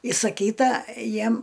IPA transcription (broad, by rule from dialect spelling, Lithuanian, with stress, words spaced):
ɪsɐˈkʲiːtɐ ˈjiɛm